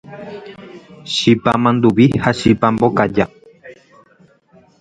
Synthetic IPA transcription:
ʃipamãnd̪uβihaʃipãmbokad͡ʒa

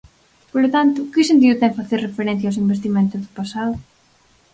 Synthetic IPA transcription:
polʊt̪ant̪ʊkɪsent̪̬iðʊt̪ɛŋfaθerrefeɾɛn̟θjawsimbest̪imẽnt̪ʊzðʊpasaðʊ

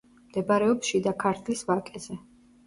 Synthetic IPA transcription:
md̪̥ɛbaɾɛɔpʃid̪akʰaɾt̪ʰlisvakʼɛzɛ

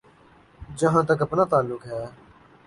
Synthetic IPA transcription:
d͡ʒəɦãːt̪̬əkəpnaːt̪aːlːʊkɦɛː

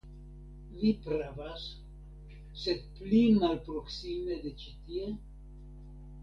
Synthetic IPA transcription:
vipɾavas | sed̪̚plimalpɾoksimed̪et͡ʃit̪ie

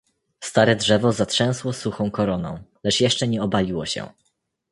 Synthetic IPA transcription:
st̪aɾɛdʐɛvɔzatʂɛ̃w̃swɔsuxɔ̃w̃kɔɾɔnɔ̰̃w̃lɛt͡ʂjɛʂt͡ʂɛɲɛɔbalʲiwɔɕɛ̰̃

